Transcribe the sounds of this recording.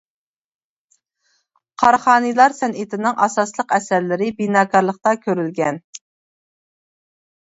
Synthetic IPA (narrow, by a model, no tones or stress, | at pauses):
qʰɑɾχɑːnɨjlˠɑɾsɛnɪt̪ʰɪnɪŋʔɑ̰sɑslˠəqɛsæɾlɪɾɪbinɑːkʰɑɾlˠəχt̪ɑkʲʰøɾylɡʲɛn